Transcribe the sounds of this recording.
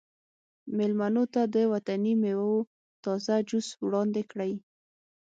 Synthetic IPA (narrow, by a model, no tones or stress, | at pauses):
mɪlmanot̪ad̪əwat̪animewawo | t̪ɑzad͡ʒuswɽɑnd̪ekɽaj